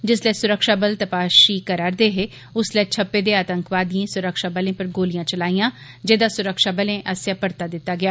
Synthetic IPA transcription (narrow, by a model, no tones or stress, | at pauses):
d͡ʒɪslɛːsʊɾəkʃaːbəlt̪əpaːʃiːkəɾaːɾd̪eːɦeː | ʊslɛːt͡ʃʰəpːeːd̪eːaːt̪əŋkʋaːd̪ijẽːsʊɾəkʃaːbəlẽːpəɾɡoːlɪjãːt͡ʃəlaːijãː | d͡ʒeːd̪aːsʊɾəkʃaːbəlẽːʔəsjaːpəɾt̪aːd̪ɪt̪ːaːɡɪjaː